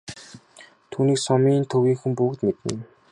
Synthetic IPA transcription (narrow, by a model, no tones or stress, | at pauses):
t̪ʰuːniːksɔmiːnt̪ʰɵwiːŋxumpʊːkt̪met̪ɘ̆n